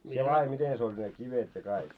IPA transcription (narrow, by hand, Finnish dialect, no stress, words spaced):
sie lɑːje miten se olʲ ne kiʋet jɑ kɑik